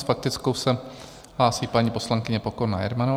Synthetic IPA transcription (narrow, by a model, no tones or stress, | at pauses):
fak̚t̪ɪt͡skowsɛ | ɦlaːsiːpaɲipo̞slaŋkɪɲɛpokoɾna̰jɛ̰ɾmano